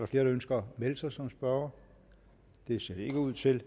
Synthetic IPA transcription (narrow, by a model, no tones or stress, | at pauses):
ɑ̈fle̝ːɐɾ̥ɑønsɡ̥ɐmeləsɑɪsɒ̽msb̥ɶɐɐ | d̥e̝se̝ɐ̰d̥ee̝ɡ̥əuð̞̰ˠt͡sʰe̝l